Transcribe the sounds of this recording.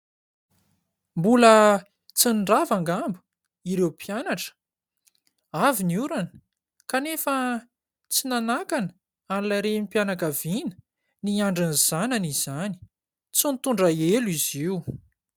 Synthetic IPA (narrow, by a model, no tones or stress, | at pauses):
mbulə | t͡sinɖ͡ʐavaŋɡambu̥ | iɾewpʰjanaʈ͡ʂə̥ | aviniuɾanə̥ | kanefə | t͡sinanakanə | anlaɾenipjanakavinə̥ | niaɳɖ͡ʐaniz̥ananiz̥ani̥ | t͡sunt̪uɳɖ͡ʐaeliziw